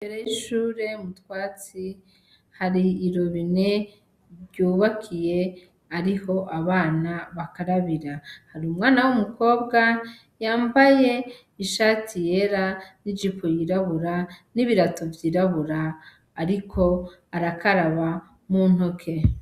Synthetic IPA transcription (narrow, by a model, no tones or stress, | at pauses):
beɾejiʃuːɾe̞mutwaːt͡si | haɾiːɾo̞βine̞ | juːβakʰije̞ | aɾiho̞ʔaβaːnaβakaɾaβiɾahaɾiumŋaːnawumukʰo̞ːbɡa | jaːmbaje̞ | iʃatʰije̞ɾanid͡ʒipʰojiɾaβuɾaniβiɾatovjiːɾaβuɾaː | ɾikʰo̞ | aɾakaɾaβa | mun̥okʰe̞